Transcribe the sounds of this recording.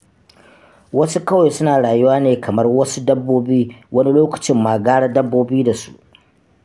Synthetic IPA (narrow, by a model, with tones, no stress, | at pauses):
wɐ˦su˦kɐ˦wa˨jsʊ˦naː˨ɽaː˨ju˦waː˦neː˨kʰɐ˨mɐ˦rwɐ˦su˦dɐ˦bːoː˦biː˦wɐ˦ni˦loː˦kɐ̥˨t͡ʃɪ˦mːaː˨ɡaː˦ɽa˦dɐ˦bːoː˦biː˦da˨su̥̰˦ʔ